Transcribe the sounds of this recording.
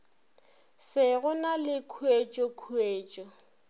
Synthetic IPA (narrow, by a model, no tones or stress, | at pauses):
sɪɣʊnalɪkʰuet͡ʃʼɔkʰueːt͡ʃʼɔ